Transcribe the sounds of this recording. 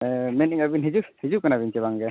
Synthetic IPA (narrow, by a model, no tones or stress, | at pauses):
mɛniŋabinɦid͡ʒuhid͡ʒukanabint͡ʃɛbaŋɡɛ